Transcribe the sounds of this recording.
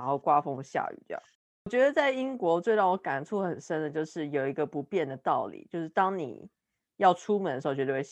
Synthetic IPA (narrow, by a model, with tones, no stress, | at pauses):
nxo˥˩ʊkwa˥fo˥˩ŋ˩ɕja̰˥˧˩y̰˨˩d̪̰ | wɔ˨˩t͡ɕɥɛ˧˥d̪ə˨t͡sa˥˩ɪi˦˥ŋkwɔ˧˥t͡swe˥˧ɪt̪ɑ˥˩ʊ˧˥˩ka˨˩nʈ͡ʂʰu˥˩xə˨˩nʂə˥nd̪ə˨t͡ɕjo˥˧ʊʂɻ̩˥˩jo˨˩ʊi˧˥ɡə˧pu˨˧˥pjɛ˥˩nd̪ə˩t̪ɑ˥˩ʊlḭ˨˩˦t͡ɕjo˥˧ʊʂɻ̩˥˩t̪ɑ˥ŋnḭ˨˩ | jɑ˥˩ʊʈ͡ʂʰu˥mə˨˩nd̪ə˩ʂ̩˧˥˧t͡ɕɥɛ˧ə˧w